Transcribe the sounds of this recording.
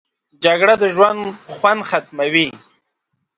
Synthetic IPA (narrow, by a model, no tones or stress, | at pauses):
d͡ʒaɡɽad̪əʒwand̪xwand̪xat̪mawi